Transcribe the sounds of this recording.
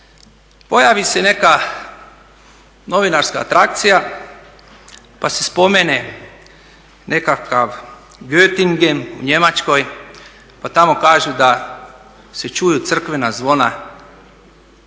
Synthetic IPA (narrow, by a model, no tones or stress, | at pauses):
po̞jaʋise̞ne̞ka | no̞ʋinaɾska̰ːt̪ɾak̚t̪sija | pase̞spo̞mene | nʔe̞kakaʋ | ɡøt̪iŋɡemṵɲe̞mat͡ʃko̞j | pat̪amo̞kaːʒud̪a | se̞t͡ʃujut̪sr̩kʋe̞nazʋo̞na